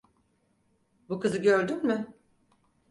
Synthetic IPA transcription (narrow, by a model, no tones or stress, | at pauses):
bukɯzɯɟøɾd̪ymmʏ